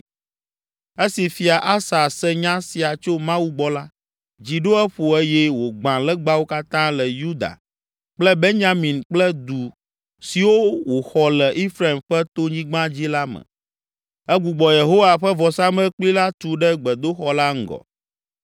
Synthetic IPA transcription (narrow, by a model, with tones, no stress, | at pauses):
e˦si˨fi˨a˨ʔa˦sa˨sɛ˦ɲã˦si˨a˨t͡ʃo˦mã˦wu˦ɡ͡bɔ˦la˦ | d͡ʑi˨ɖo˦ɛ˦ɸo˨ɛ˦jɛ˦wo˨ɡ͡bã˨lɛ˦ɡ͡ba˦wo˦ka˦t̪ã˦lɛ˨ju˦d̪a̰˨ | k͡plɛ˦be˦ɲã˦mĩ˨nk͡plɛ˦d̪u˨ | si˨wo˦wo˨xɔ˨lɛ˨ʔi˦fɾa˦˨i˨mɸɛ˦t̪o˦ɲĩ˦ɡ͡bã˦d͡ʑi˦la˦mə̰̃˨ | ɛ˦ɡu˨ɡ͡bɔ˨je˨ɦo˦wa˨ɸɛ˦vɔ˨sa˦mɛ̃˦k͡pli˦la˦t̪u˨ɖɛ˦ɡ͡bɛ˨d̪o˦xɔ˨la˦ŋ̩˦ɡɔ̰˨